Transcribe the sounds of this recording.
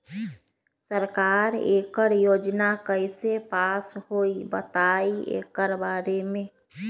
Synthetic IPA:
səɾkaːɾeːkəɾjoːd͡ʒnakəɪsepasɦoibət̪aiḛkəɾbaɾemẽ

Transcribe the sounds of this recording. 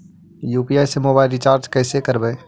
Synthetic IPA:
juːpiaːɪsemobaːɪlɾit͡ʃaːɾd͡ʒkɛːsekəɾbɛː

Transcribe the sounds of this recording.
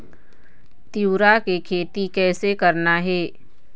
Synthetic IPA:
t̪iuɾakekʰeːt̪ikɛːsekɐɾnaɦɛː

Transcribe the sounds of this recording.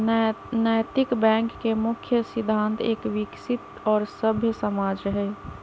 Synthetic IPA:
nəjt̪ɪkbɛ̃ːŋkːemʊkʰjəsɪd̪ʱːãːnt̪ʰeːkʋɪksɪt̪ | ɔːɾsəbʱjəsəmaːd͡ʒɾəɦeeː

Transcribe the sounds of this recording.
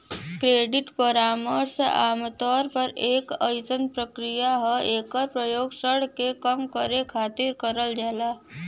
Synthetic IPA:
kɾeːɖɪʈpəɾaːməɾseʔaːmt̪ɔːɾpəɾeːkə̰jsənpɾəkɾijaɦɛeːkəɾpɾəjoːɡsəɽ̤kekəmkəɾekʰaːt̪ɪɾkəɾəld͡ʒaːlaː

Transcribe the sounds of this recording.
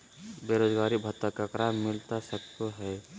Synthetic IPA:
beːɾoːd͡ʒɡaːɾibʱət̪əkakɾaːɪlt̪asək̚t̪oɦɛː

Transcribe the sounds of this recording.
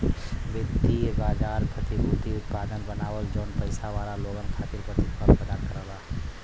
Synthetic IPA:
ʋəkt̪iebaːd͡ʒaːɾpʰət̪ibut̪iʊt̪paːd̪ʱənbənaːʋəld͡ʒoːnpəɪsaʋaːɾaloːɡənkʰakɪɾpət̪it̪pəɾpəd̪akəɾəla

